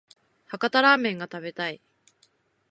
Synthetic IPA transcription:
hakat̪aɾaːmẽ̞ŋɡat̪abe̞t̪ai

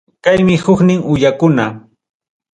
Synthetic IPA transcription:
kajmɪhʊknɪŋʊjakʊna

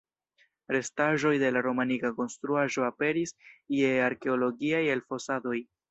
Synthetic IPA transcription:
ɾe̞staʒo̞jde̞laɾo̞manikako̞nst̪ɾuaʒo̞ape̞ɾisieaɾke̞olo̞ɡiaje̞lfo̞sado̞j

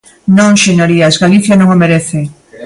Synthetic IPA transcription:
nõŋʃeɲoɾiazɡaliθjanõŋomeɾeθe

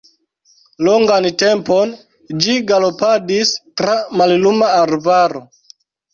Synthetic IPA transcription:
loŋɡantempon | d͡ʒiɡalo̞padistɾamallumaːɾvaɾo

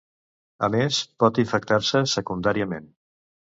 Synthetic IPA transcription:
ə̰mespɔt̪iɱfək̚t̪aɾsəsəkund̪aɾiəmen

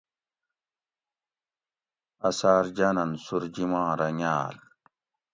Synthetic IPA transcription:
ɐsaːɾd͡ʑɐnɐnsuɾd͡ʑimãːɾɐŋaːl

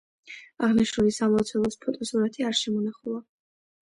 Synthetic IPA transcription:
aʁniʃɾulisamɔt̪sʰɛlˠɔspʰɔt̪ʼɔsuɾat̪ʰiaɾʃɛmɔnaχulˠa

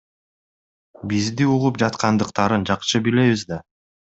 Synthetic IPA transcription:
bizd̪iuʁupd͡ʒɑt̪qɑnd̪ɯqt̪ɑɾɯnd͡ʒɑqʃɯbile̞βizd̪ɑ

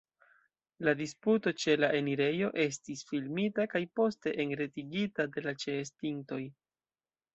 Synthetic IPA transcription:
ladisputo̞t͡ʃe̞laʔe̞niɾe̞jo̞ʔe̞stisfilmitakajpo̞ste̞ʔeŋɾe̞tiɡitade̞lat͡ʃe̞ːstiŋto̞j

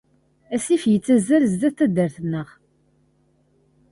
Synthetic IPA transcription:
æsifjət͡sːæzælzd̪æθæd̪əɾθənːəʁ

